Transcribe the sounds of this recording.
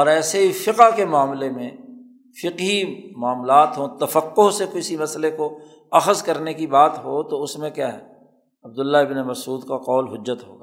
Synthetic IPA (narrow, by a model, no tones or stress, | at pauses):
ɔːɾɛːseɦifɪqkemaːmlemẽ | fɪqɦimaːmlaːt̪ɦõt̪ɐfəqːoɦsekɪsimɐsleko | ɐxəzkɐɾnekibaːt̪ɦot̪oʊsmẽkjaːɦɛ̰ː | ɐb̚d̪ʊlːaɪbnemɐsuːd̪kaqɔːlɦʊd͡ʒːət̪ɦo̰ːɡaː